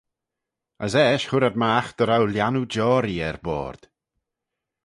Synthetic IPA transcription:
əsɛːʃhʊɾad̪̚maːxd̪̥əɾawljanud͡ʒɔːɾiɛɾbɔ̰ːɾd̪̥

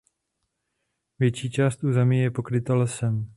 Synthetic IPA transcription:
vjɛt͡ʃiːt͡ʃaːst̪ʔuːzɛmiːjɛpo̞kɾɪt̪alɛsɛm

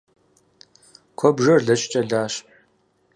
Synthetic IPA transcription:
kʷʰɔbʒɐrɮɐɕʼt͡ʃʼɐɮaːɕ

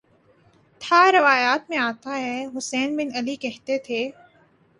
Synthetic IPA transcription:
t̪ʰaɾɐʋaːjaːt̪mẽaːt̪aɦɛɦʊsɛːnbɪnɐlikɛɦt̪et̪ʰeː

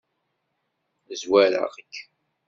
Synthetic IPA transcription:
zwæɾə̰ʁəkː

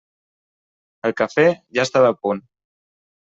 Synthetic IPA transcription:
əlˠkəfɛʒast̪aðəpun

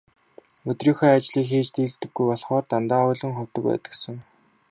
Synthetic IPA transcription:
ɵt̪riːxœːat͡ɕɮiːkxiːt͡ɕt̪iːɮt̪ɘ̆ɡːujpɔɮχɔːrt̪ant̪aːʊjɮɘ̆ŋχʊw̥t̪ə̆k̚pæ̰ːt̪ə̥̆ksə̆ŋ

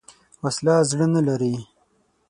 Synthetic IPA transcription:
waslɑzɽənalaɾi

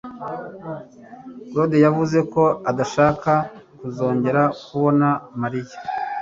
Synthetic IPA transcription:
ɾo̞dejavuze̞ko̞adaʃaːkakuzo̞ːɲɟe̞ɾakuβo̞namaɾijḁ

